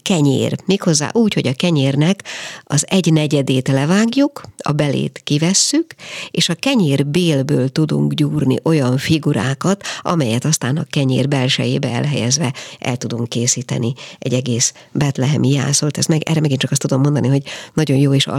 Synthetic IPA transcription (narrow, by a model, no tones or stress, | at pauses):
kɛɲḛːrmeːkho̞zːa̰ːʔuːcho̞ɟɒkɛɲeːrnɛkɒ̰zɛɟnɛɟɛd̪eːt̪lɛvaːɡjukɒ̰bɛlḛːt̪kivɛsːykeːʃɒkɛɲeːrbeːlbøːlt̪ud̪ṵŋkɟuːrnḭʔo̞jɒɱfiɡuɾa̰ːkɒt̪ɒ̰mɛjɛt̪ɒst̪aːnɒ̰kɛɲḛːrbɛlʃɛ̰jeːbɛɛ̰lɦɛjɛzvɛʔɛ̰lt̪ud̪uŋkːeːsiːt̪ɛ̰niɛ̰ɟɛɡeːs | bɛt̪lɛɦɛmʔija̰ːsolt̪ɛst̪mɛɡʔɛ̰rɛmɛɡint͡ʃɒkɒst̪ud̪o̞mːond̪ɒniɦo̞ɟnɒɟo̞njoːeːʃ